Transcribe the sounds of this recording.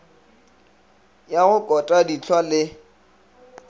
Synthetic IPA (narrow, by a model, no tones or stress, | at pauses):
jaɣʊkʼɔtʼadit͡ɬʰwalɪ